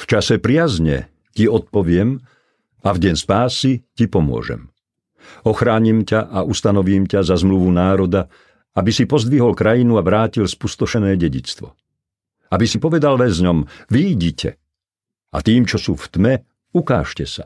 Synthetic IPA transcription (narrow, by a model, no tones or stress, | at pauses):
ft͡ʃasɛpɾɪazɲɛ̰ | ciɔt̪̚pɔʋɪɛm | avɟɛɲspaːsicipɔmʊɔ̰ʒɛ̰m | ɔxɾaːɲimcaʔaʔust̪anɔʋiːmcazazmluʋunaːɾɔd̪a | abisipɔzd̪ʋiɦɔlkɾajinuaʋɾaːcilspust̪ɔʃɛnɛːɟɛɟḭt͡st̪ʋɔ̰ | abisipɔʋɛd̪alʋɛzɲɔmʋiɟicʰɛ̰ | a̰t̪iːmt͡ʃɔsuːft̪mɛ | ukaːʃcɛsa̰